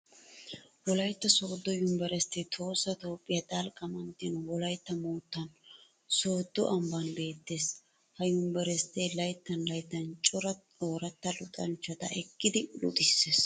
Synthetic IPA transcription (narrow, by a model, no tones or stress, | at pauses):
wɔlɐjt̪ːɐso̞ːd̪ːɔjʊmbɛɾɛst̪ːɛt̪ʰo̞ːsːɐt̪o̞ːpʼːɪjɐt̪ʼɐlkʼɐmɐnt̪ːɪnʊwɔlɐjt̪ːɐmoːt̪ːɐn | soːd̪̥ːʊ̰ʔɐmbɐnbe̞ːt̪ːe̞ːs | hɐjʊmbɛɾɛst̪ːelɐjt̪ːɐnlɐjt̪ːɐnt͡ʃʼɔɾɐ | oːɾɐt̪ːɐlʊt̪ʼɐnt͡ʃːɐt̪ɐ̰ʔɛkːɪd̪ɪlʊ̰d̪ɪsːeːs